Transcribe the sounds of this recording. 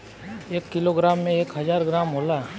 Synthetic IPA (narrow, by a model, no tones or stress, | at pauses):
eːkːɪloɡɾaːmːẽeːkɦɐzaːɾɡɾaːmɦoːlaː